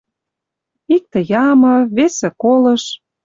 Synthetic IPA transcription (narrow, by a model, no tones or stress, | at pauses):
ik̚t̪ə̆jɑmɤ̆βesĕkolɤ̆ʃ